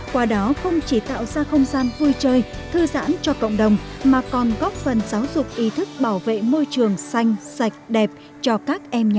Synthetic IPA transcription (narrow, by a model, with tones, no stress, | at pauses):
kwaː˧ɗɔ˨˦xə˧wŋ͡mt͡ɕi˧˩t̪a̰ː˧˨wzaː˧xə˧wŋ͡mzaː˧nvu˧jt͡ɕəː˧jt̪ʰɨ˧za̰ː˧˥nt͡ɕɔ˧kə̰˧˨wŋ͡mɗə˨˩wŋ͡mmaː˨˩kɔ˨˩nɣɔ˦˥p̚fə˨˩nzaː˨˦wzʊ˨˩k͡p̚ʔi˨˦t̪ʰɨ˦˥k̚ɓaː˧˩wvḛ˧˨mo˧jt͡ɕɨ˨˩əŋsa˧jŋ̟sa˨˩jk̟̚ɗɛ˨˩p̚ | t͡ɕɔ˧kaː˦˥k̚ʔɛ˧mɲ˨